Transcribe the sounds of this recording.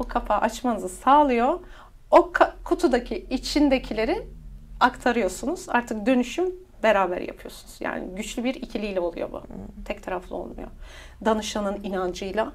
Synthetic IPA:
ukʰafaʔat͡ʃmanɯzɯsaːlˠɯjo̞ | okʰakʰut̪ʰud̪acʰiit͡ʃʰind̪ecʰilʲe̞ɾiakt̪ʰaɾɯjo̞sunuz̥a̰ɾt̪ʰɯk̚d̪ø̞nyʃym | be̞ɾaːbæ̰ɾja̰pʰɯjo̞sunuz̥ja̰ːnɪ̰ɟyt͡ʃlʲybiɾicʰilʲijlʲɛo̞lˠṵjo̞̰bṵt̪ʰɛct̪ʰaɾaflˠɯ̰o̞̰lˠmṵjo̰ | d̪anɯʃanɯninand͡ʒɯjlˠa

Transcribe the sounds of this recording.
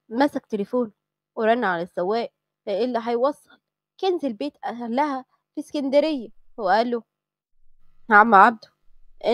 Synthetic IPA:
mæsæk̚t̪elefoːn | weɾˤɑnːaʕalæsːæwːæːʔ | eʔelːiɦɑjwɑsˤːɑl | kænzelbeːt̪ʔælːæhæ | fiskænd̪æɾejːæweʔæːlːo | hʕamːæʕab̚d̪u̥ | ʔe

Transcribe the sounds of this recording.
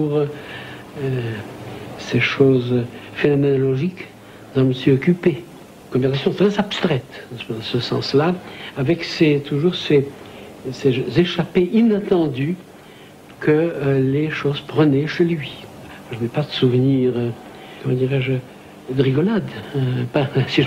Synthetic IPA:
uʁ | ø | seʃozfenɔmenɔlɔʒik | d̪ãʒməsɥiɔkʲype | kɔ̃vɛʁsasjɔ̃t̪χɛzapst̪χɛt̪səsɑ̰̃slaavɛkset̪uʒuʁse | seʒzeʃapeʔinat̪ɑ̃d̪y | kəleʃozpχənɛʃelɥia | ʒənɛpad̪əsuvniʁø | kɔmɑ̃d̪iʁɛʒ | d̪ʁiɡɔlad̪øpasiʒ

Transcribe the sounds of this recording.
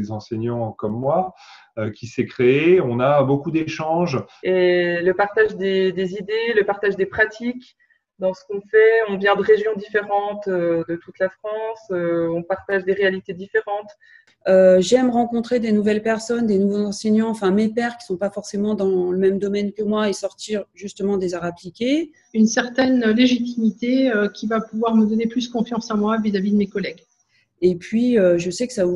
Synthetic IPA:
ezɑ̃sɛɲɑ̃kɔmːwa | økʲisɛkχeeɔ̃nabokud̪eʃɑ̃ʒeləpaʁt̪aʒd̪ed̪ezid̪eləpaʁt̪aʒd̪epχat̪ʰik | d̪ɑ̃sə̥kɔ̃fɛɔ̃vjɛ̃d̪əʁeʒjɔ̃d̪ifeʁɑ̃t̪ød̪ət̪ut̪lafχɑ̃søɔ̃paʁt̪aʒd̪eʁealit̪ed̪ifeʁɑ̃t̪ | øʒɛmʁɑ̃kɔ̃t̪χed̪enuvɛlpɛʁsɔnd̪enuvozɑ̃sɛɲɑ̃ɑ̃fɛ̃mepɛʁkʲi̥sɔ̃pafɔʁsemɑ̃d̪ɑ̃ləmɛmd̪ɔmɛnkəmwaesɔʁt̪iʁʒyst̪əmɑ̃d̪ezaʁaplikʲe | ynsɛʁt̪ɛnleʒit̪imit̪eøkʲivapuvwaʁməd̪ɔneplyskɔ̃fjɑ̃sɑ̃mwavizavid̪əmekɔlɛɡ | epɥiøʒəsɛkə̥savu

